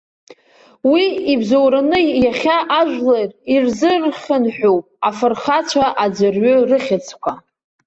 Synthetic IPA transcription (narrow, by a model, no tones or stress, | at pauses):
wiibzowɾanɨjaχʲaʔaʒʷᶣlerirzɨrχʲənħʷᶣowpʼ | afɨrχat͡ɕʷʰaʔad͡zʷɨrɥʊrɨχʲɪt͡sʰkʷʰa